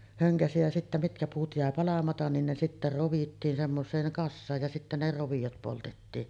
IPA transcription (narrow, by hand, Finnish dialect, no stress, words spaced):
høŋkæsi jæ sitːæ mitkæ puːt jæˑe pɑlɑmɑtɑn nin ne sitːæ roʋitːiːn semːosˑeːŋ kɑsːɑːj jɑ sitːæ ne roʋijot poltetːiːn